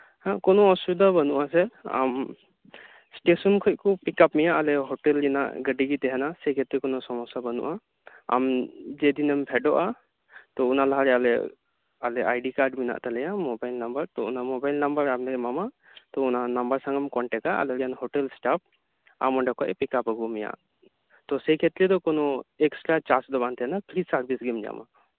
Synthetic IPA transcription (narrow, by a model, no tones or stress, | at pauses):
hakɔnɔɔsud̪abanuʔasɛa̰m | sʈesɔnkʰɔʔkɔpikapmijaʔalɛɦɔʈɛlina̰ʔɡəɖiɡit̪ɛɦɛnasɛkɛt̪ɛkɔnɔsɔmɔsabanṵʔa | a̰md͡ʒɛd̪inɛmpʰɛɖɔʔa | t̪ɔunalaɦaɾɛalɛ | alɛa̰jɖikaɾɖmina̰ʔt̪alɛjamɔbajlnambəɾt̪ɔunamɔbajlnambəɾamndɛɡɛmama | t̪ɔunanambəɾsãŋɡamkɔɳʈɛkaʔa̰lɛɾjanɦɔʈɛlsʈap̚ | a̰mɔɳɖakaʔɛpikapəɡumija̰ʔ | t̪ɔsɛjkʰet̪ɾid̪ɔkɔnɔɛksʈɾat͡ʃasd̪ɔbant̪ɛɦɛnapʰɾisaɾbʱisɡimd͡ʒa̰ma̰